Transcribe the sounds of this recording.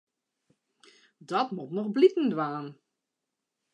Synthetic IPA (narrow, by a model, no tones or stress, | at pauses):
dɔtmutnɔxblikn̩dʋaːn